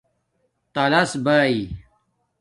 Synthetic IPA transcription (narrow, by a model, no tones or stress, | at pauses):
t̪ɐlɐsbaːi